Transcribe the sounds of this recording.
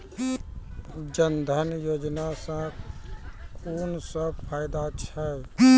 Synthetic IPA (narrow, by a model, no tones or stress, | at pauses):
d͡ʒənd̪ʱənjoːd͡ʒnasã | kʰuːnsəb̚pʰaːjd̪at͡ʃʰɛ